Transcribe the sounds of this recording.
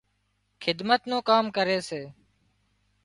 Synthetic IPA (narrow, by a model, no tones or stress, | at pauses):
xʰɪd̪mət̪nõːkaːmkəɾeːseː